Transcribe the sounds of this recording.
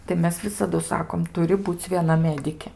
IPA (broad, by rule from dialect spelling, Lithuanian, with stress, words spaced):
tɐɪ ˈmʲɛs ˈʋʲɪsɐdʊ ˈsɑːkoːm ˈtʊrʲɪ ˈbuːt͡sʲ ʋʲiɛˈnɐ ˈmʲæːdʲɪkʲeː